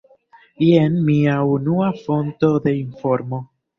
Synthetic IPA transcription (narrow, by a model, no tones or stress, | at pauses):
ijenmiaunuafo̞nto̞d̪e̞info̞ɾmo̞